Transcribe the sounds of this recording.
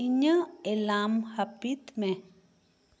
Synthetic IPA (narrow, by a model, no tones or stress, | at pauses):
iɲəelaːmhɐpit̪mẽ